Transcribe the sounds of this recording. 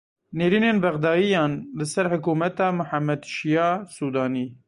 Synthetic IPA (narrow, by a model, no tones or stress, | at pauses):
neːɾiːneːnbɛɣd̪ɑːjijɑːnlɨsɛɾhʊkuːmɛt̪ɑːmʊħamːɛd̪ʃijɑːsuːd̪ɑːniː